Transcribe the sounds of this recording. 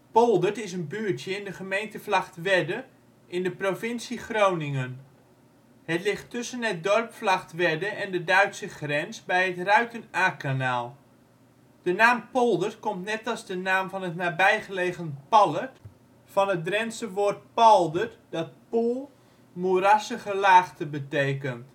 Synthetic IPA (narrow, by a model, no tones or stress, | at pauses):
pɔlˠdəɹtɪsənbyːɹtjəɪndəχəmejntəflaχtʋɛdə | ɪndəprofɪnsiχrownɪŋən | hətlɪχtʏsənət̚dɔrpflaχtʋɛdəʔɛndədœɥtsəχrɛnsbɛjətrœɥtənaːkanaːlˠ | d̥ənaːmpɔlˠdərkɔmtnɛtɑlˠzdənaːmvɑnɦətnaːbɛjχəleːχənpɑlˠət | fɑnət̚drɛnsəʋoːrt̚pɔlˠdərd̥ɑt̚pulˠ | muɾasəχəlaːχtəbətejkənt